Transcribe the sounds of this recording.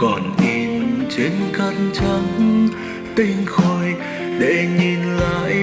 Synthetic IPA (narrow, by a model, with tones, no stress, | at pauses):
kɔ˧˩nŋi˧˩nt͡ɕe˨˦nka˧nt͡ɕa˧ŋ | t̪ï˧ŋ̟xo˧˩j | ɗḛ˧˩ŋi˧˩nla̰ː˧˨j